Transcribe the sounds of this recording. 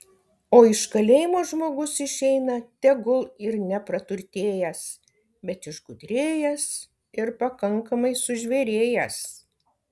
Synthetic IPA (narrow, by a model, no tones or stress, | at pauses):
oːɪʃkɐlʲeːjɪmoːʒmoːɡʊsɪʃʲɛɪnɐt̪ʲɛɡʊlˠɪɾnʲɛpɾɐt̪ʊɾʲt̪ʲeːjɛs | bʲɛt̪ɪʃɡʊd̪ʲɾʲeːjɛs | ɪɾpɐkɐŋkɐmɐɪsʊʒʲʋʲɛɾʲeːjɛs